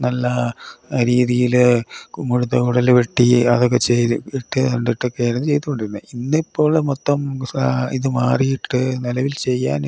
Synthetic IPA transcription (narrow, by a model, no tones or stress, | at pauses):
nɐlːɐɾiːðijil | muɽuðɐkuɽɐlʋeʈːiɐðok̬ːet͡ɕeiʈːɨɐɳɖiʈːɨkːeːɾɐnːt͡ɕe̞jt̪ːukːoɳɖiɾunːɨinːipːo̞ːɭmot̪ːɐmiðɨmaːrijiʈːɨnilɐʋilt͡ɕe̞jːa̰ːn